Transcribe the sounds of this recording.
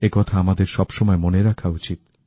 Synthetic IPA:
ekɔt̪ʰaamad̪eɾʃɔbʃɔmɔemoneɾakʰaut͡ɕit̪̚

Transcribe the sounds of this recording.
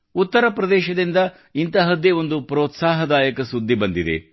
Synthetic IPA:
ut̪ːɐɾɐpɾɐd̪ɛːʃɐd̪ind̪ɐ | int̪ɐɦɐd̪eo̞nd̪upɾoːt̪saːɦɐd̪aːjɐkɐsud̪ʱːibɐnd̪id̪ḛ

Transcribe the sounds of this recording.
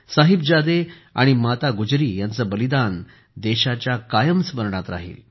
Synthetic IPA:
saɦib̚d͡ʑad̪ea̰ɽ̃imat̪aɡud͡ʑɾiːjant͡səbəlid̪an | d̪ɛɕat͡ɕjakajəmsʋəɾɳat̪ɾa̰ɦḭːl

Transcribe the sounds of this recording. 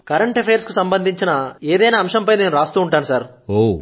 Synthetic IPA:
kɐɾɐɳʈepʰejɐɾskusɐmbɐnd̪ʱiɲt͡ʃinɐeːd̪ɐjnaːmʃɐmpɐjne̞ːnuɾaːst̪uːuɳʈaːnusaːɾ | oː

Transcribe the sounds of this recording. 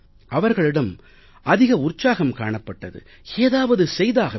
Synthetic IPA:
ʔɐʋɐɾɣɐɭɪɽɐm | ʔɐðɪɣɐʊrt͡ʃːaːɣɐmkaːɳɐpːɐʈːɐðɯ̰ | eːðaːʋɐðɯsɛjðaːɣɐ

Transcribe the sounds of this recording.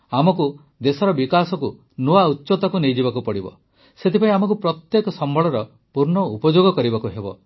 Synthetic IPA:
amɔku | d̪esɔɾɔbikasɔku | nuautːʃot̪ɔkunejd͡ʒibakupɔɽibɔ̰ | set̪ipaĩamɔk̬upɾɔt̪jekɔsɔmbʱɔɭɔɾɔ | puɾɳɔupɔd͡ʒoɡɔkɔɾibakuɦebɔ̰

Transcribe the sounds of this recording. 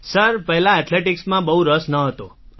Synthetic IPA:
səɾpəɦɛlãɛt̪ʰleʈiksmãbəɦuɾəsnəɦət̪o

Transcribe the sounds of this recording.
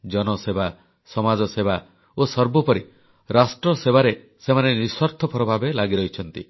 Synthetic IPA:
d͡ʒɔnɔseba | sɔmad͡ʒɔseba | osɔɾbɔpɔɾi | ɾasʈɾɔseβaɾe | semaneniswaɾt̪ʰɔpʰɔɾɔbʱabelaɡiɾɔɦit͡ʃʰɔnt̪ḭ

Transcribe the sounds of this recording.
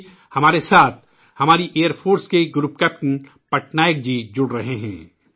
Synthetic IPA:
hɐmaːɾesaːt̪̚ʰ | hɐmaːɾiʔeːjəɾpʰoːɾskeɡɾuːpkɛːp̚ʈɪ̃n | pɐʈnaːjək̚d͡ʒid͡ʒʊɽɾɐɦeɦɛ̰̃ː

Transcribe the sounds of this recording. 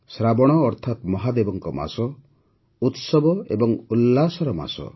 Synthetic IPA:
sɾabɔɽ̃ɔːɾt̪ʰat̪mɔɦad̪ebɔŋkɔma̰sɔ | ut̪sɔbɔḛbɔŋulːasɔɾɔma̰sɔ̰

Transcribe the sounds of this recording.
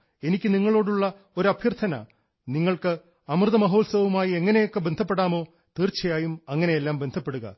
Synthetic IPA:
e̞nikʲːɨniŋːɐɭo̞ːɽuɭːɐ | o̞ɾuɐbʱjɐrt̪ʰɐnɐ̰ | niŋːɐɭkɨ | ɐmrɨðɐmɐɦo̞ːlsɐʋumaːjie̞ŋːɐnejo̞kːebe̞nd̪ʱɐpːe̞ɽaːmo̞ː | t̪iːrt͡ɕːɐjaːjumɐŋːɐne̞jelːaːmbe̞nd̪ʱɐpːe̞ɽuɣɐ̰

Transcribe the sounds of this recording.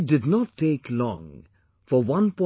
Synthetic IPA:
dɨdⁿnətʰːeɪklɔ̰̃ŋ | fə˞wʌ̃npʰɔ̃

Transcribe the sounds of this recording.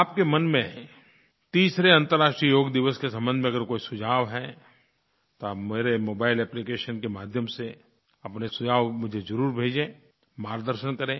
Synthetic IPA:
aːpkemɐnmẽ | t̪iːsɾeɐ̃nt̪əɾːaːʃʈɾijəjoːɡd̪ɪʋəskesɐ̃mbə̃nd̪mẽɐɡəɾkoːisʊd͡ʒʱaːʋɦɛ | t̪oaːpmeːɾemoːbaːɪlɛːplikeːʃənkemaːd̪ʱjəmse | ɐpnesʊd͡ʒaːʋmʊd͡ʒʱezɐɾuːɾbʱeːd͡ʒẽː | maːɾd̪əɾʃənkɐɾẽː

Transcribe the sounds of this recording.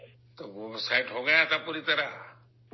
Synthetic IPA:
t̪ɔsajʈɦɔɡajat̪apɔɾit̪aɾa

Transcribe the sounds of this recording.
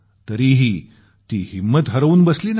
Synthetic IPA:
t̪əɾiːɦiː | t̪iːhimːət̪ɦəɾʋuːnbəsliːn

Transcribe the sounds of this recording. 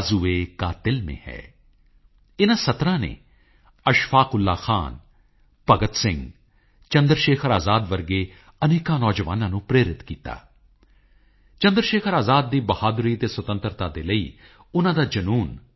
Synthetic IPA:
zueːkaːt̪ɪlmḛ̃ːhɛ̰ː | ɪnãːsət̪ɾãːnḛː | əʃfʰaːkʊlːaːxʰa̰ːn | pəɡət̪sɪ̃ŋɡ | t͡ʃənd̪ɾʃeːkʰəɾaːzaːd̪ʋəɾɡeː | əneːkãːnɔːd͡ʒəʋa̰ːnãːnũːpɾeːɾɪt̪kiːt̪a̰ː | t͡ʃə̃nd̪əɾʃeːkʰəɾaːzaːd̪ːiːbəhaːd̪ɾiːt̪eːswət̪ə̃nt̪ɾt̪aːd̪eːləḭː | ʊnãːd̪aːd͡ʒənuːn

